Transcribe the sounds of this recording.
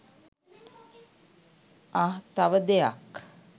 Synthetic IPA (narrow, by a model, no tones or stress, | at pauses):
aɦt̪aʋəd̪eja̰k